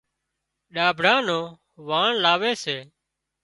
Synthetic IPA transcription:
ɗaːbʱɽãːnõː | ʋaːɳlaːʋeːseː

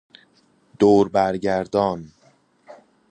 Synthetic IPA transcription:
d̪̥oːɾbæɾɟæɾd̪ɒːn

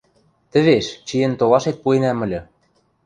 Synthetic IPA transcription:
t̪ə̆βeʃt͡ɕijɘ̆nt̪oβɑʃet̪̚puenæmɘ̆lʲɤ̆

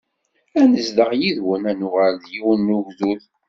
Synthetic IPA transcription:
ænəzd̪əʁjiðwənænuʁælðjiwnːuʝðuð

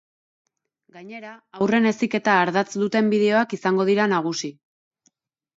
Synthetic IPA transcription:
ɡaɲe̞ɾaːwre̞ne̞sike̞t̪aːɾðat͡sd̪ut̪e̞mbiðe̞o̞akisaŋɡo̞ð̞iɾanaɣ̞usi

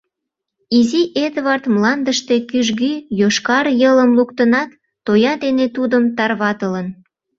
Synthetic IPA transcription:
iziʔed̪βɑrt̪mlɑnd̪əʃt̪ekyʒɣyjoʃkɑrjələmlukt̪ənɑt̪ː | ojɑd̪enet̪ud̪əmt̪ɑrβɑt̪ələn

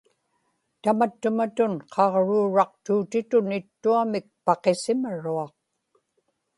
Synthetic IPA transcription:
t̪amat̪ːʊmat̪ʊnqʰɑʁɻuːɻɑq̚t̪uːt̪ɪt̪ʊnɪt̪ːuamɪk̚pɑqe̞sɪmaɻuɑq̚

